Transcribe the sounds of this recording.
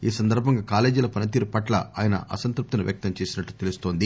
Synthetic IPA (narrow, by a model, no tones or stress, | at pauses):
iːsɐnd̪ɐɾbʱɐŋɡaːkaːle̞ːd͡ʒulɐpɐnɐt̪̬iːɾupɐʈlɐ̰a̰ːjɐnɐ̰ʔɐ̰sɐnt̪ɾup̚t̪inuʋjɐk̚t̪ɐmt͡ʃe̞ːsinɐʈːut̪elust̪o̞ːnd̪i